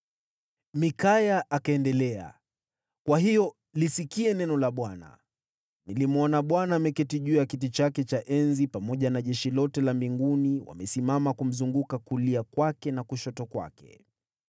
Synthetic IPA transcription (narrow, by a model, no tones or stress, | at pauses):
mikajaʔakaɛndɛlɛa̰ | kwaɦijɔ | lisikiɛnɛnɔlaɓwana̰ | nilimɔnaɓwanaːmɛkɛtiʄujakit̬it͡ʃakɛt͡ʃaʔɛnzipamɔʄanaʄɛʃilɔtɛlambiŋɡuniwa̰mɛsimamakum̩zuŋɡukakuliakwakɛnakuʃɔtɔkwa̰kɛ̥̰